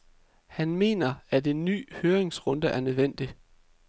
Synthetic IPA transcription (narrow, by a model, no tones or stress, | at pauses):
hænme̝̰ːnɐæde̝nːy̰ːhøːɐʁe̝ŋsʁɔ̽nd̥əʔæɐnøðˠʋen̰d̥i